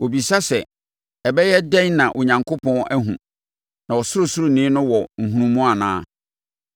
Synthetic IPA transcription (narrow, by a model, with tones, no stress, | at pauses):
o˨bi˨sa˦sɛ˨ | ɛ˨bɛ˦jɛ˦dɛ̃˦nnã˨ʔɔ˨ɲã˨ŋkʰo˦pʰɔ̃˦nʔæ˦ɦũ˨ | nã˨ɔ˨sʊ˦ɾʊ˨sʊ˦ɾʊ˨nĩː˦nʊ̃˦wɔ˨ŋ̩˨ɦũ˦nũ˦mũ˦a˨nã̰ː˦